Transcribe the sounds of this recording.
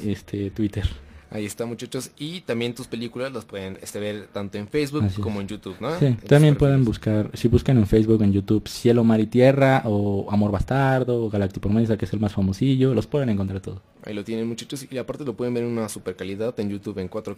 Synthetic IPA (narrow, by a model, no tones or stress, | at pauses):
est̪ʰet̪wit̪eɾa̰iest̪amut͡ʃat͡ʃosit̪ambje̞nt̪uspelikulazlaspwe̞ðenḛst̪eβeɾt̪ant̪o̞enfejzβuasikːomoend͡ʒut̪uβnosit̪ambje̞mpweðenbuskaɾsiβuskane̞nfejzβuke̞nʝut̪uβsjelomaɾit̪je̞raʔoamo̞ɾmast̪aɾðoɣalak̚t̪ipoɾmesakeese̞lmasfamo̞siʝo̞lo̞spweðeneŋkont̪ɾaɾt̪oðo | a̰ilot̪je̞nenmut͡ʃat͡ʃosiapaɾt̪elopwe̞ðembeɾenunasupeɾkaliðaðend͡ʒut̪uβeŋkwat̪ɾo